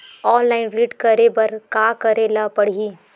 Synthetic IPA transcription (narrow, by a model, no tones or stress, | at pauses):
ɔːnlaːɪnɾiːʈkɐɾebɐɾkaːkɐɾeːlapɐɽ̤iː